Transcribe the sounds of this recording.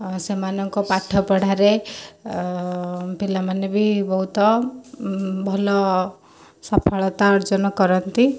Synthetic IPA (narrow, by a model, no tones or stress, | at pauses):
semanɔŋkɔpaʈʰɔpɔɽ̤aɾe | pilamanebʱibɔɦut̪ɔ | bʱɔlɔ | sapʰɔɭɔt̪aɔɾd͡ʒɔnɔkɔɾɔnt̪i